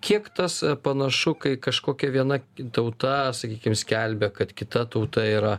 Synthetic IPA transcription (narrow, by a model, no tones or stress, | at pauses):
kʲiɛkt̪ɐspɐnɐʃʊkɐɪkɐʃkoːkʲɛʋʲiɛnɐt̪ɐʊt̪ɐsɐkʲiːkʲɪmsʲkʲælʲbʲɛkɐt̪kʲɪt̪ɐt̪ɐʊt̪ɐiːɾɐ